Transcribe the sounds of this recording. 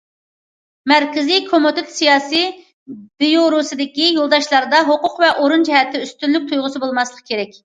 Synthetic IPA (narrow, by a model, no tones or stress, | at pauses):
mæɾkʲɪzikʰomut̪ɪt̪sijɑːsi | b̥ijoɾusɨd̪ɪkʲijolˠd̪ɑʃlˠɑɾɨd̪ɑɦoqʊqvɛʔoɾund͡ʒɛɦɛt̪ʰːɪyst̪ynlːyk̚ʲt̪ʰujʁʊsɨbolˠmɑslˠəq̚kʰʲeɾɛkʲ